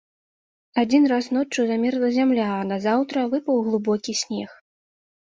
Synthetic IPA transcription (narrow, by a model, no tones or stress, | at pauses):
ad͡zʲin̪rasnɔt͡ʂːuzamʲɛɾlˠɐzʲamlʲaːnazawt̪ɾɐvɨpɐwɣlˠubɔkʲisʲnʲɛx